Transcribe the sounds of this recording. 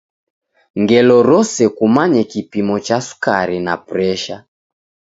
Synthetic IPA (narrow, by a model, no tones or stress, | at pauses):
ŋɡɛlɔɾɔsɛkumaɲɛkipimɔt͡ʃasu̥kaɾina̰pɾɛʃa